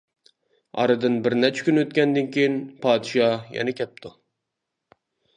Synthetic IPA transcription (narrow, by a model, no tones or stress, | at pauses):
ɑ̰ɾɨd̪ɨnbɪɾnɛt͡ʃʰɛ̥kʲynøt̪̚kʲɛnd̪ɨnkʲʰejinpʰɑːd̪ɨʃɑjɛ̰nɛkʲʰɛp̚t̪ʰu